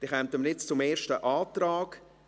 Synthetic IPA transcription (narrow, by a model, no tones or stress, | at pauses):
d̥ɪχɛmt̪əmnɪt͡st͡sʊmeːʃtəʔaːtɾaːɡ